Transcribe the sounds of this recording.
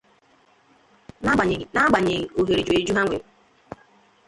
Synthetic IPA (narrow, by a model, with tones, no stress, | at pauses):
na˦ɡ͡ba˨ɲe˨ɣo˨ɦe˨ɾi˨d͡ʒu˨e˨d͡ʒu˦ɦa˦ŋʷḛ˨